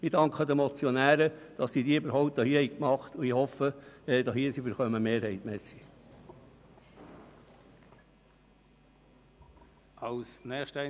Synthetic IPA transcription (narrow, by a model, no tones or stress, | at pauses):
mid̥ɑŋkχəd̪əmɔt͡sjɔnæːɾəd̥ɑssid̪iːybəɾɦɔʊp̚td̥̪ɑhiːhɛɪkmɑχt̪uihɔfəd̥̪ɑshiːsiybəɾχœməmeːɾhɛɪt̪mɛːsi̥ | ɑlsnɛːχʃtæ